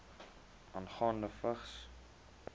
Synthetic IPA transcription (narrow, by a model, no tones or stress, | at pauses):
ʔɑnχɑːndəfəχs